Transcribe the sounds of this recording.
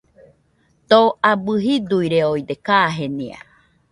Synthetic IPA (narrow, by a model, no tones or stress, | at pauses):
t̪oabɨɦid̪uiɾeojd̪ekaɦenḭa̰